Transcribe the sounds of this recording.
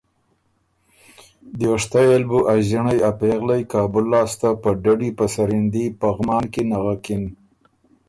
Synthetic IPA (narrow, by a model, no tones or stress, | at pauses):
d̪joʂt̪ajalbuʔaʒɪɳajapeɣlajkɑːbʊlːɑːst̪apəɖaɖipəsaɾɪnd̪ipaɣmɑːnkenaɣakɪn